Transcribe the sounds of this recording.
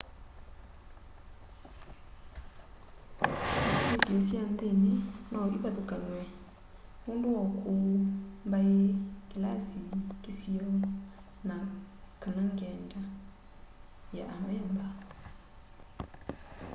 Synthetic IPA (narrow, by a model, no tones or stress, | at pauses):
asekeosjandenenaʔiβaðokanwɛ | undowɔkombaekelasikesiɔ | nakanaŋɡɛnda | jaʔamɛmba